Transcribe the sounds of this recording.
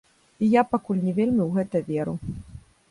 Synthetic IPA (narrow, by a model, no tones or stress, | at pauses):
ijapakulʲnʲɛvʲelʲmʲiwɣɛt̪ɐvʲeɾu